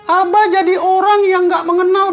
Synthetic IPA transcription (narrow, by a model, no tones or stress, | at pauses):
ʔabad͡ʒadiʔoɾaŋjaŋɡaʔməŋənal